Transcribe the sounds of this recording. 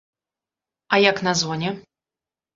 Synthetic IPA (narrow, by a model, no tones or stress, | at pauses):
ɐjaknazvɔnʲɛ